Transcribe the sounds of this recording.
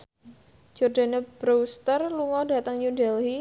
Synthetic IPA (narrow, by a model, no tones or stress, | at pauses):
d͡ʒɔrdanab̥ɾowst̪ərluŋɔda̤t̪əŋjudɛlɦi